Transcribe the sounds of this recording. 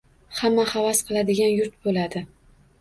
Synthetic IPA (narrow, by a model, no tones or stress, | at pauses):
hamːahavasqʰɨlˠad̪ɪɡʲanjʊɾt̪̚bolad̪ɪ